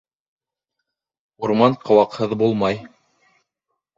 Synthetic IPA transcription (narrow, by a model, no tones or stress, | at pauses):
uɾmɑɴqʰɤ̆wɑqhɤðbulˠmɑj